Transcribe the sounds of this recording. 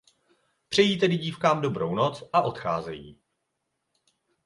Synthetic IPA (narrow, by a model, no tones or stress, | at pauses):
pr̝̥ɛjiːt̪ɛdɪɟiːfkaːmdo̞bɾo̞wno̞t͡sʔaʔo̞t̪xa̰ːzɛjiː